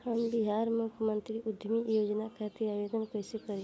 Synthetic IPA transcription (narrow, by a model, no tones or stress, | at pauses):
hambiɦaːɾmukʰmənt̪ɾiʔʊd̪ʱmijoːd͡ʒnakʰat̪iabed̪ənkəjsepəɾ